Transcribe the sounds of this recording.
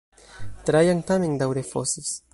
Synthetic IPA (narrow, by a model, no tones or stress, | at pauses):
t̪ɾajaŋt̪ameŋd̪awɾefɔses